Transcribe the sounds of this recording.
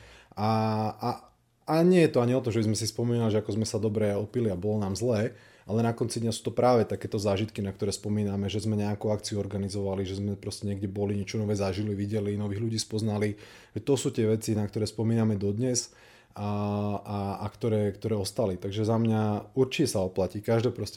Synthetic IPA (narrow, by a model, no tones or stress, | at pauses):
aa | aɲɪɛjɛt̪ɔaɲiɔt̪ɔmʒɛbizmɛsispɔmiːnaliʒɛakɔzmɛsad̪ɔbɾɛɔpiliabɔlɔnaːmzlɛː | ʔalɛnakɔnt͡sid̪ɲasuːt̪ɔpɾʔaːʋɛt̪akɛːt̪ɔzaːʒit̪kinak̚t̪ɔɾɛːspɔmiːnamɛʒɛzmɛɲɛakuakt͡siuɔɾɡanizɔʋaliʒɛzmɛpɾɔscɛɲɛɡɟɛbɔliɲɛt͡ʃɔnɔʋɛːzaʒiliʋiɟɛlinɔʋiːɣʎuɟiːspɔznali | ʒ̥ɛt̪ɔsuːt̪ɪɛʋɛt͡sinak̚t̪ɔɾɛːspɔmiːnamɛd̪ɔd̪ɲɛz | aaakt̪ɔɾɛːkt̪ɔɾɛːɔst̪alit̪aɡʒɛzamɲauɾt͡ʃicɛsaɔplaciːkaʒd̪ɛːpɾɔscɛ